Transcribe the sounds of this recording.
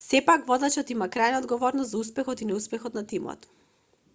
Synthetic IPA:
sɛpakvɔd̪at͡ʃɔt̪imakɾajnaɔd̪ɡɔvɔɾnɔst̪zauspɛxɔt̪inɛuspɛxɔt̪nat̪imɔ̰t̪

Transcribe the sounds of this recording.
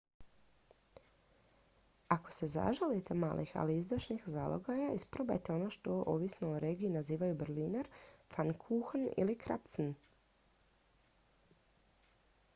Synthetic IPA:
ako̞̥se̞za̰ʒalit̪emaːlʔixa̰liizd̪aʃnixza̰ːlˠʔo̰ɡajaispɾoba̰jt̪eo̞no̞ʃt̪o̞ʔoʋisno̞uɾe̞ːɡiːnaziːʋajubɾlinaɾfankʰuxnḭlikɾa̰psn

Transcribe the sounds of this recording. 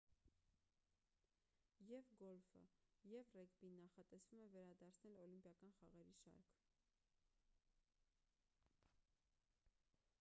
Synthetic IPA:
jɛvɡɔlfə̰jɛvrɛɡbinːɑχɑt̪ɛsv̥umɛvɛɾɑd̪ɑɾt͡sʰnɛlɔlimpjɑkɑnχɑʁɛɾiʃɑ̰ɾkʰ

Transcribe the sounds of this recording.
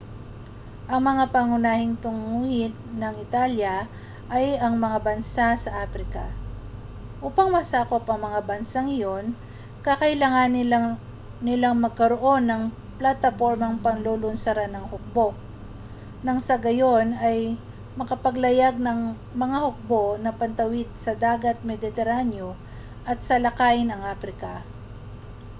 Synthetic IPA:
ʔɐŋmɐŋapaŋʊnaːhɪŋt̪ʊŋuːhɪd̪nɐŋɪt̪aljɐ | ʔɐjɐŋmɐŋabɐnsasɐʔaːpɾɪka̰ | ʔuːpɐŋmɐsaːko̞pɐŋmɐŋabɐnsaŋɪjo̞n | kɐkɐʔɪlaŋan | nɪlaŋmɐɡ̚kɐɾoʔo̞nːɐŋ | plat̪ɐpo̞ɹmɐŋpɐnloːlʊnsɐɾanɐŋhʊk̚bo̞ | nɐŋsɐɡɐjo̞nɐj | mɐkɐpɐɡlɐjaɡ̚nɐŋ | mɐŋahʊk̚bo̞nɐpɐnt̪ɐwɪd̪̚sɐd̪aːɡɐt̪̚mɛd̪ɪt̪ɛɾanjo | ʔɐt̪̚sɐlɐkajɪnɐŋʔaːpɾɪkɐ

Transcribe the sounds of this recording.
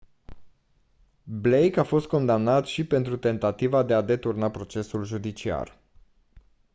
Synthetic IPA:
blejkafo̞st̪̚ko̞nd̪amnat̪ʃipe̞nt̪ɾut̪e̞nt̪at̪ivad̪e̞ad̪e̞t̪urnapɾo̞t͡ʃe̞sulʒud̪it͡ʃia̰r

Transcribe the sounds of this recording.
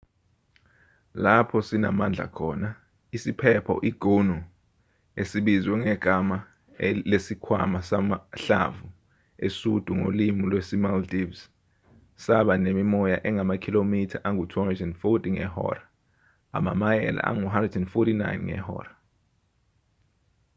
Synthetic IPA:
lapʰɔsina̰mand͡ɮʱa̰kʰɔːna | isipʰɛpʰɔ̰ʔiɡ̥ʱonu | esiɓizwɛŋɛɡ̥ʱama | lesikʰwa̰masamaɬa̰vu | esud̥ʱuŋo̰limilwesimaldivs | saɓanemimɔjaʔɛŋamakʰilomitʰaʔaŋutʰɔɾizɔnfɔtiŋɛ̰hɔ̰ːra | a̰ma̰majɛ̰la̰ʔa̰ŋuɦandrɛdɛnfɔtina̰jnŋɛ̰hɔ̰ːra

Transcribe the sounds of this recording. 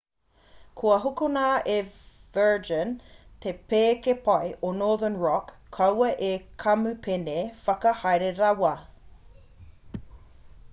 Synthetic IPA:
kʰuɐɦukunaːʔevɜːd͡ʒənt̪ʰepeːkepɐjʔonoːðənɹɔkʰːɐwɐʔekʰɐmʉpʰenefɐkɐhɐjɾeɾɐwɐ

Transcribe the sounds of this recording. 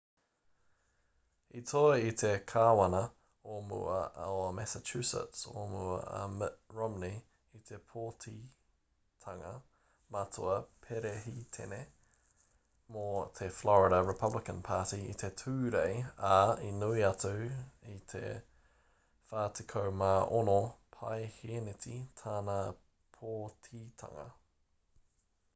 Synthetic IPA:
itʰoitʰekʰaːwɐnə | omṵə̰omɛsət͡ʃʰʉsə̰tso̰muə̰ə̰mɹɔmni | it̪ʰepʰoːtʰi | tʰɐŋə | matʰoɐpʰeɾeɦitʰɛ̰ne | mot̪ʰeflɔɹɪdɐɹɪpʰɐblɪkənpʰaːtiḭt̪ʰetʰʉːɾejainuiɐtowit̪ʰḛ | faːtʰikʰowmaʔonopʰajhenet̪ʰit̪ʰaːnaː | pʰoːtʰiːt̪ʰɐ̰ŋɐ̰

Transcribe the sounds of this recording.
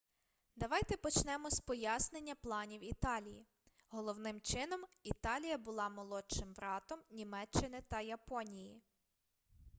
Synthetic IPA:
d̪ɐʋɑjt̪ɛpɔt͡ʃnɛmɔspɔjasnenʲːɐplˠɑnʲiwit̪ɑlʲiji | ɦɔlˠɔwnɪmt͡ʃɪnɔmit̪ɑlʲijɐbʊlˠɑmɔlˠɔt͡ʃɪmʋɾɑt̪ɔmnʲimɛt͡ʃːɪnɪt̪ɐjɐpɔnʲiji

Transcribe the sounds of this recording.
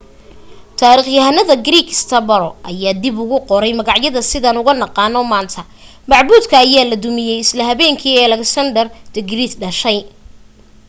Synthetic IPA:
t̪ʰaːɾiːχjɐɦɐnɐðɐɡɾiːkʰst̪ʰɐbɐɾɔʔɐjaːd̪ibʊɣʊqɔɾɛjmɐɣɑʕjɐðɐsɪðaːnʊɣɐnɑqɑːnɔmaːnt̪ʰɐ | mɑʕbuːd̪kʰɐːjaːlɐd̪ʊmɪjɛjɪslɐɦɐβɛːŋkʰiːɛlɛksɐnd̪ɐrd̪̥ɪɡɾiːt̪ɖɐʃɛj

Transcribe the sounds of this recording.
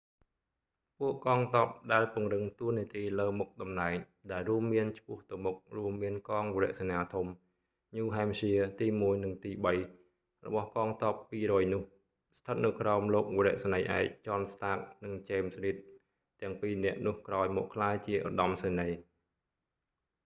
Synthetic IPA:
puəʔkɑːŋt̪oːp̚ɗaɛlpʊ̆əŋrɨŋt̪uəniət̪iːləːmuk̚ɗɑmnaɛŋ | ɗaɛlruəmːiənt͡ɕʰpʊ̆əht̪ɨwmʊk̚ruəmːiənkɑːŋʋɔɾɛ̆əʔsaɲaːt̪ʰum | ɲuːɦaɛmsiət̪iːmuəjnɨŋt̪iːɓəj | rɔ̰ɓɑhkɑːŋt̪ɑːpːiːrɔːjnʊ̆əh | st̪ʰət̪̚nɨwkraɔmloːk̚ʋoɾɛ̆əʔsanəjʔa̰ɛc̚t͡ɕɑnst̪aːk̚nɨŋt͡ɕeːmsriːt̪̚ː | ɛ̆əŋpiːnɛ̆əʔnʊ̆əhkraɔjmɔːʔkʰlaːjt͡ɕiəʔo̰ɗɑmseːnəj

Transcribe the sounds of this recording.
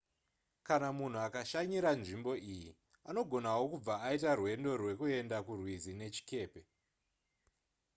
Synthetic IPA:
kanamun̤uakaʃaɲiɾanʐimbo̞ʔiji | ano̞ɡʱo̞nawo̞kub͡vaːitarwe̞ndo̞rwe̞kue̞ndakurwizine̞t͡ʃi̥ke̞ːpe̞

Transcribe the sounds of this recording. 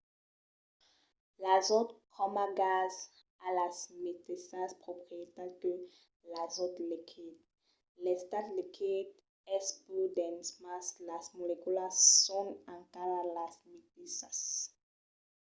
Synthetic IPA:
lazot̪kʰɔmaɡaz | alasmit̪isaspχopχiet̪aʁkø | lazot̪likʰid̪̚ | lɛst̪at̪likʰid̪̚ | ɛspud̪ɛ̃nsmaslasmolekulasɔ̃nãŋkaʁalasmit̪isas

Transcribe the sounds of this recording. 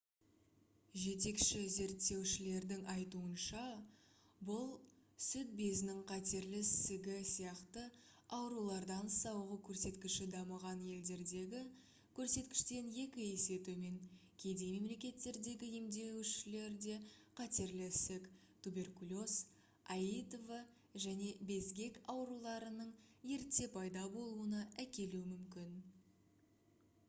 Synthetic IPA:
ʒe̞t̪e̞kʃɪze̞ɾt̪ːe̞wʃɪle̞ɾd̪ɪŋɑjt̪uənʃɑ | bʊlˠsʏt̪̚be̞zɪnɪŋqʰɑt̪e̞ɾlɪsɪɡʲɪsijɑqt̪ə | ɑwɾulˠɑɾd̪ɑnsɑwʁəkʲʰɵɾse̞t̪kʲɪʃɪd̪ɑməʁɑnje̞ld̪e̞ɾd̪e̞ɡʲɪ | kʲʰɵɾse̞t̪kʲɪ̥ʃt̪e̞nje̞kʲɪe̞se̞t̪ume̞ŋkʲʰe̞d̪e̞me̞mle̞kʲe̞t̪ːe̞ɾd̪e̞ɡʲɪje̞md̪e̞wʃɪle̞ɾd̪e̞qʰɑt̪e̞ɾlɪsek | t̪ʰube̞rkulʲo̞s | ɑjit̪ovə | ʒæne̞be̞zɡʲe̞kɑwɾulˠɑɾənəɴje̞ɾt̪ːe̞pʰɑjd̪ɑbo̞lˠuənɑʔækʲe̞luɪmʏmkʲɪn

